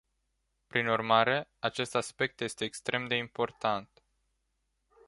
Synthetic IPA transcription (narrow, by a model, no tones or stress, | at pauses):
pɾinurmaɾe̞at͡ʃe̞st̪aspe̞k̚t̪je̞st̪e̞ːkst̪ɾʔe̞md̪e̞impo̞rt̪ant̪